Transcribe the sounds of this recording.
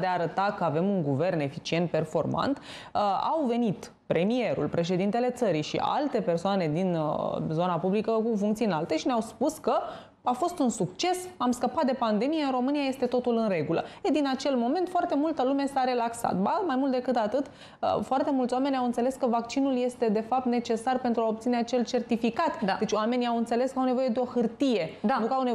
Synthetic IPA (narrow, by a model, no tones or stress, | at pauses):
d̪eaːɾət̪akəave̞muŋɡuve̞rne̞fit͡ʃie̞nt̪̚pe̞rfo̞rma̰nt̪ | a̰wve̞nit̪ | pɾe̞mie̞ɾṵlpɾe̞ʃ̬e̞d̪int̪e̞le̞t̪səɾijʃḭʔa̰lt̪e̞pe̞rsoane̞d̪inzo̞napublikəkufuŋkt̪siɨnalt̪e̞ʃineawspuskə | afo̞st̪unsukt͡ʃe̞samskəpat̪̚d̪e̞pand̪e̞mijeɨnɾo̞mɨniaje̞st̪e̞t̪o̞t̪ulɨnre̞ɡulə̰ed̪inat͡ʃe̞lmo̞me̞nt̪foart̪e̞mult̪əlume̞saɾe̞laksa̰t̪̚bamajmult̪d̪ekɨt̪at̪ɨt̪ | ə̰foart̪e̞mult̪sʲwame̞nʲawɨnt̪se̞le̞skəvak̚t͡ʃinulje̞st̪e̞d̪e̞fap̚t̪ne̞t͡ʃe̞sarpe̞nt̪ɾuaop̚t̪sineat͡ʃe̞lt͡ʃe̞rt̪ifikat̪d̪ad̪e̞t͡ʃʲowame̞niawɨnt̪se̞leskəawne̞vo̞je̞d̪e̞o̞xɨrt̪ije̞nukəawne